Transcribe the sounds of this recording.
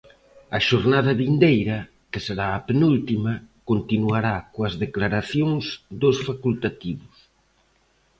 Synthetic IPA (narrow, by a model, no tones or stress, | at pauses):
ɐʃoɾnaðɐβind̪ejɾɐ | kɪseɾaːpenult̪imɐkont̪inuaɾakoɐzðeklaɾaθjoŋzd̪osfakult̪at̪iβʊs